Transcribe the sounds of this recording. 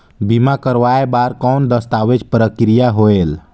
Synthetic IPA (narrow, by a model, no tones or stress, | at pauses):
bimakəɾʋaebaɾkɔwnd̪əst̪aʋet͡ʃpɾəkɾijaɦoel